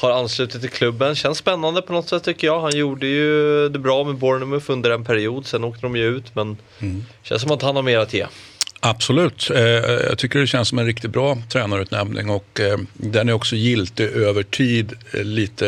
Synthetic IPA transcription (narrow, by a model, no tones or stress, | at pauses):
haɾanːslʉ̟ːt̪ɪt̪ʰːɪlkʰlɵbːənɕɛnsːpɛnːand̪əpʰɔnɔt̪sɛt̪ʰːʏkːəjɑːhanjuːɖəjɵd̪ɛbɾɑːmɛbɔɾɳɵmɵfɵnd̪əɾɛnpʰæɾɪuːd̪sɛnːoːk̚t̪əd̪ɔmjɵʉ̟ːt̪mɛn | ɕɛ̰ns̬ɔmat̪hanhaɾmeːɾat̪ʰjḛːʔab̥sɔlʉ̟ːt̪jɑ̰ːt̪ʰʏkːəɖɛɕɛnsɔmɛnɾɪk̚t̪ɪt̪̚bɾɑːt̪ʰɾɛːnaɾʉ̟ːt̪nɛ̰mnɪ̰ŋɔkd̪ɛnæɾɔksɔjɪlt̪ɪʔøːvəʈʰiːd̪liːt̪ə